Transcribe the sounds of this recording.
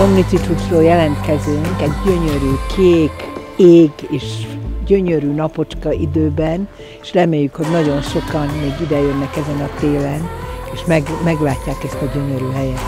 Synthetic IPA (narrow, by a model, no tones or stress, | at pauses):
omnit̪sit̪uʃroːljɛlɛnt̪kɛzøːŋkɛɟɟøɲøɾyːkʰeːkeːɡeːʃɟø̞ɲøɾyːnɒpo̞t͡ʃkɒʔid̪øːbɛn | eʃrɛmeːjːykho̞ɟnɒɟo̞nʃo̞kɒnmeːɡid̪ɛjønːɛkɛzɛnɒt̪eːlɛneːʃmɛɡmɛɡlaːcːaːkɛst̪ɒɟø̞ɲøɾyɦɛjɛt̪